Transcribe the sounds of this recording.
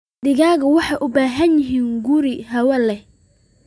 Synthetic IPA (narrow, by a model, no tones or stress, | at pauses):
d̪ɪɣaːɣɐwɑħɑjʔʊbaːɦɐnjɪɦiːnɡuɾiɦɐwɐlɛ